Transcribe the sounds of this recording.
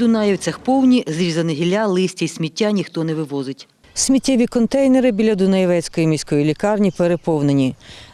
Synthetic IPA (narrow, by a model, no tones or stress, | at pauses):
d̪ʊnɑjɐwt͡sʲɐxpɔwnʲizɾʲizɐnɪɦʲilʲalˠɪsʲtʲɐisʲmʲitʲːanʲixt̪ɔnɛʋɪʋɔzɪtʲ | sʲmʲitʲːɛʋʲikɔnt̪ɛjneɾɪbʲilʲːɐd̪ʊnɐjʋɛt͡sʲkɔjimʲisʲkɔjilʲikɑrnʲipeɾepɔwnenʲi